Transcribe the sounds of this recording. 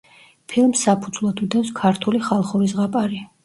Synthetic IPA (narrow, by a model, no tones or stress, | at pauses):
pʰilˠmsːapʰud̪zlˠɔt̪ʰud̪ɛwskʰaɾt̪ʰuliχalˠχɔɾis̬ʁapʼaɾi